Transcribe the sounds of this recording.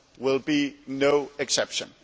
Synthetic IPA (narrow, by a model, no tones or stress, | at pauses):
wɪlˠbinoʊɛksɛpʃə̰̃n